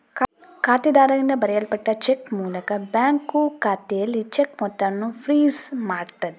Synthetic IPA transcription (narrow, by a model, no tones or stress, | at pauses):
kkaːt̪id̪aːɾɐnd̪ɐbɐɾijɐlɐpɐʈːɐt͡ʃekmuːlɐkɐbaːŋkːukaːt̪eːlit͡ʃekmɔt̪ːɐnːupʰɾiːzmaːɾt̪ɐd̪i